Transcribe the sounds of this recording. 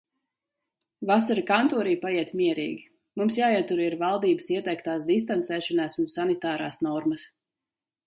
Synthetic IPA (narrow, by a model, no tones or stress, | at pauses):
vasaɾakant̪ɔːɾiːpajiɛt̪miɛɾḭːɡʲi | mumsjaːiɛt̪uɾiɾvalˠd̪iːbə̥siɛt̪ɛkt̪aːsd̪is̬t̪ant̪sɛːʃɔnaːsunsanit̪aːɾaːsnɔɾmɐs